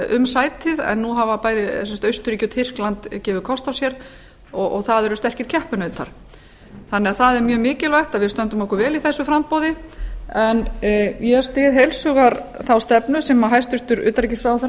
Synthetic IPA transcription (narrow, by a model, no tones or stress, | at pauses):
ʏ̰msaːjt̪ʰɪðɛ̰nːuɦavapaːjðɪsɛnst̪œɥst̪ʏɾiːcʏt̪ʰɪr̥klant̪cɛːvɪðkʰɔst̪awsjɛɾ | ɔɔ̰ɣθaðɛɾʏst̪ɛr̥cɪɾ̥cʰɛhpʏnœɥt̪ʰa̰ɾ̥ | θanːɛaθaðɛɾmjœːmɪːcɪlvajht̪aðvɪðst̪œnt̪ʏmɔhkʏɾvɛːliθɛsːʏfɾampoːðɪɛnjɛst̪ɪðɦejlsʏɣaɾθawst̪ɛpnʏsɛmaɦajst̪ʏɾ̥t̪ʏɾʏ̰ːt̪aɾɛcɪsaːwθɾ